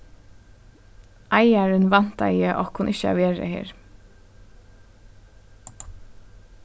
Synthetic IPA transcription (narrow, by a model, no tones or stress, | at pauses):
ʔɑɪæɹʉnʋɑnt̪ɑ̰ɪəʔɔ̰ːkʰʊnʔɪçəɑ̰ʋeːɹə̰hḛːɹ